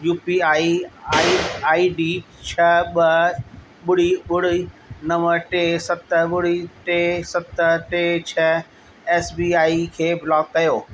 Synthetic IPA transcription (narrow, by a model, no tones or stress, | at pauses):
juːpiaːiaːiaːiɖiː | t͡ɕʰɐɓɐ | ɓʊɽiɓʊɽ̤inɐ̃məɾʈesɐt̪əɓʊɽiʈesɐt̪əʈeːt͡ɕʰɐ | eːsbiːaːikʰeːblɔːkːɐjoː